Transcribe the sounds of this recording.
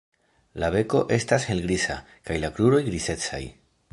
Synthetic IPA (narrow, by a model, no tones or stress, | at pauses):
laβe̞ko̞ʔe̞stashe̞lɡɾisa̰ | kajlakluɾo̞jɡɾise̞t͡sa̰j